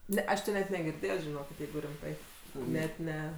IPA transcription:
ˈnʲɛ ˈɐʃ tʲɪ nʲɛt nʲɛɡʲɪrʲˈdʲeːjoː ʒʲɪˈnoːkʲɪt ˈjɛɪɡʊ rʲɪmˈtɐɪ ˈnʲɛt ˈnʲɛ

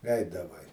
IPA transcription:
ˈɛɪdɐʋɐɪ

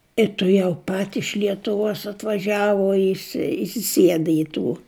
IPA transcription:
ɪ tʊˈjɛʊ pɐt ɪʃ lʲiɛtʊˈʋuɔs ɐtʋɐˈʒʲæːʋʊ ɪsʲɪ ɪsʲɪˈsʲiɛdɐ ɪ ˈtuː

